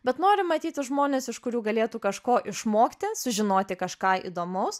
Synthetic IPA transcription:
bʲɛt̪noːɾʲɪmɐt̪ʲiːt̪ʲɪʒmoːnʲeːsɪʃkʊɾʲuːɡɐlʲeːt̪uːkɐʃkoːʔɪʃmoːkt̪ʲɪsʊʒʲɪnoːt̪ʲɪkɐʃkɑːḭːd̪oːmɐʊs

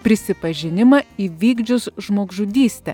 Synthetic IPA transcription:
pʲɾʲɪsʲɪpɐʒʲɪnʲɪmɐiːʋʲiːɡd͡ʒʲʊsʒmoːɡʒʊd̪ʲiːsʲt̪ʲɛ̰ː

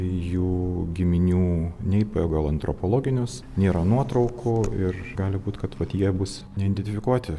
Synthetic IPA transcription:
juːɡʲɪmʲɪnʲuːnʲɛɪpɐɛɡɐlˠɐnt̪ɾɔpolˠoːɡʲɪnʲʊs | nʲeːɾɐnuɔt̪ɾɐʊkʰʊɪrɡɑːlʲɪbuːt̪kɐt̪ʋɐt̪jiɛbʊs | nʲɛɪd̪ʲɛnʲt̪ʲɪfʲɪkuɔt̪ʲɪ

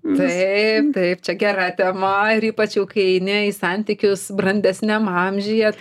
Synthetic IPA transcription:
t̪ɐɪp̚t̪ɐɪpt͡ʃʲɛɡʲæɾɑt̪ʲɛmɐɪɾiːpɐt͡ʃʲjɛʊkɐɪɛɪnʲɪɪsɑnʲt̪ʲikʲʊsbɾrɐnʲd̪ʲɛsʲnʲɛmɑmʲʒʲɪjɛ

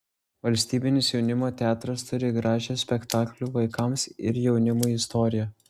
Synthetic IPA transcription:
ʋɐlʲsʲt̪ʲiːbʲɪnʲɪsjɛʊnʲɪmoːt̪ʲæːt̪ɾɐst̪ʊɾʲɪɡɾɑːʒʲɛsʲpʲɛkt̪ɑːklʲuʋɐɪkɐmsɪ̰ɾjɛʊnʲɪmuːɪst̪ɔːɾʲɪjɛ

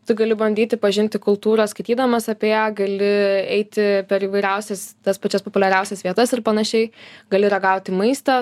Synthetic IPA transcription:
t̪ʊɡɐlʲɪbɐnʲd̪ʲiːt̪ʲɪpɐʒʲɪnʲt̪ʲɪkʊlˠt̪uːɾɐskɐɪt̪ʲiːd̪ɐmɐsɐpʲeːjæːɡɐlʲɪɛɪt̪ʲɪpʲɛɾiːʋɐɪɾʲɛʊsʲɛst̪ɐspɐt͡ʃʲɛspopʊlʲɛɾʲɛʊsʲɛsʋʲiɛt̪ɐsɪɾpɐnɐʃʲɛɪɡɐlʲɪɾɐɡɐʊt̪ʲɪmɐɪst̪ɐ

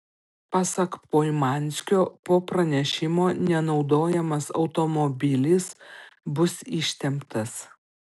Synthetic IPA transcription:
pɑːsɐkpoːɪmɑˑnʲsʲkʲoːpoːpɾɐnʲɛʃʲɪmoːnʲɛnɒʊd̪oːjɛmɐsɒ̰ʊt̪omobʲɪlʲɪsbʊsɪʃʲt̪ʲɛmpt̪ɐs

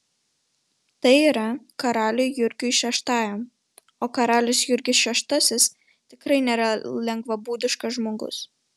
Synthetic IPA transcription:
t̪ɐɪiːɾɐkɐɾɑːlʲujjʊɾʲɡʲʊʃʲɛʃt̪ɑːjom | oːkɐɾɑːlʲɪsjʊɾʲɡʲɪsʃʲɛʃt̪ɐsʲɪs | t̪ʲɪkɾɐɪnʲɛɾɐlʲɛŋɡʋɐbuːd̪ʲɪʃkɐʒmoːɡʊ̰s

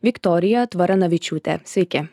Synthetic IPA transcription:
ʋʲɪkt̪ɔːɾʲɪjɛt̪ʋɐɾɐnɐʋʲɪt͡ʃʲuːt̪ʲɛ̰sʲʋʲɛɪkʲɪ

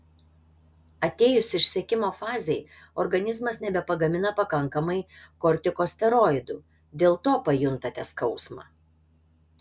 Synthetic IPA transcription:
ɐt̪ʲeːjʊsʲɪʃʲsʲiɛkʲɪmoːfɑːzʲɛɪ | ɔɾɡɐnʲɪzmɐsnʲɛbʲɛpɐɡɐmʲɪnɐpɐkɐŋkɐmɐɪkɔɾʲt̪ʲɪkoːsʲt̪ʲɛɾɔːɪd̪uː | d̪ʲeːlˠt̪oːpɐjʊnt̪ɐt̪ʲɛskɒʊsmɑ̰ː

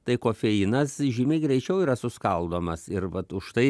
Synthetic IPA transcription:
t̪ɐɪkoːfʲɛinɐsʒʲimʲɛɪɡɾʲɛɪt͡ʃʲɛʊiːɾɐsʊskɐlˠd̪oːmɐsɪɾʋɐt̪ʊʃt̪ɐɪ

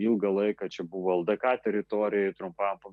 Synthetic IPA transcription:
ilˠɡɐlˠɐɪkɐt͡ʃʲɛbuʋoːɐlˠd̪ɐkɑt̪ʲɛɾʲɪt̪oːɾʲɪjɛɪt̪ɾʊmpɐmpɐ

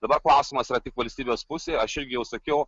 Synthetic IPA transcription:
d̪ɐbɐɾklˠɑˑʊsʲiːmɐsiːɾɐt̪ʲɪkʋɐlʲsʲt̪ʲiːbʲeːspʊsʲeːɐʃɪɾʲɡʲɪjɛʊsɐkʲɛʊ

